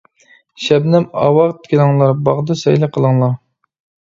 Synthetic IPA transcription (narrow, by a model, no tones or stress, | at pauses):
ʃɛbnɛmɑ̰wɑʁt̪ʰkʲilɨŋlˠɑɾbɑʁd̪ɨsɛjlɪqʰəlˠəŋlˠɑɾ